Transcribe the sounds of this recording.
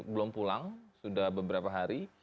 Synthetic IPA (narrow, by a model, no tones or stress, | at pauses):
bəlʊmpulaŋsudahbəbəɾapaɦaɾi